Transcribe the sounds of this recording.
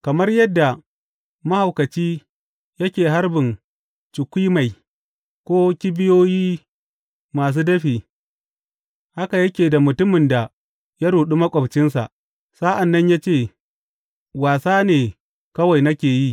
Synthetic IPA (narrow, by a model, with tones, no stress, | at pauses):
kɐ˨mɐ˦rjɐ˦dːa˨ | mɐ˦ha˨wkɐ˨t͡ʃiː˦ | jɐ˦kʲeː˨ɦa˦rbɪ˨n | t͡ʃɪ˨kʷiː˦ma˨j | kʷoː˦kʲɪ˦bɪ˦joː˦jiː˦ | maː˨s̬uː˦dɐ˦ɸiː˨ | ha˦ka˨jɐ˦kʲeː˨da˨mʊ˨tʊ˦mɪ˨nda˨ | ja˦ɽuː˨ɗu˦mɐ˦kʷʼɐ˨bt͡ʃɪ˦ns̬a̰˨ʔ | sa˦ʔa˨nːɐ˦ɲjaː˦t͡ʃeː˦˨ | waː˨saː˦neː˨ | kɐ˦wa˨jnɐ˦kʲeː˨ji˦˨